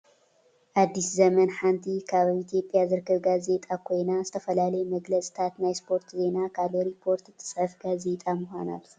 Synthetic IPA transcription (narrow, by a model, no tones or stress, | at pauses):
ʔad̪ːiszɐmɐnħant̪ʰikʰaββit̪ʰjo̞pʼjazɨɾɨkːɐβɡaze̞t̪ʼakʰo̞jnazɨt̪ʰɐfɐlalɐjmɐɡlɐt͡sʼi̥t̪ʰat̪najspʰo̞ɾt̪ʰze̞nakʰaloɾipʰːo̞ɾt̪ɨt̪ʰːɨ̥sʼħɐfɡaze̞t̪ʼamuxʷana̰l